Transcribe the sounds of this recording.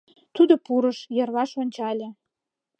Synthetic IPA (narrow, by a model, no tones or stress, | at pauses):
t̪ud̪opuɾə̆ʃjɤ̆rβɑʃŏnʲt͡ɕɑlʲĕ